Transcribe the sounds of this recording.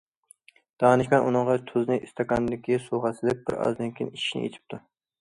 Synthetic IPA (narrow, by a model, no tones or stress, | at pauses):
d̪̥ɑːnɪʃʲmʲɛnʔunɨŋʁɑt̪ʰʊznɪʔist̪ʰɑkɑnd̪ɪkʲisoʁɑsɪlɪp̚bɪ̰ɾɑ̰zd̪ɪŋkʲʰinit͡ʃʰi̥ʃnɪ̰jḛt̪ʰɪ̥p̚t̪ʰʊ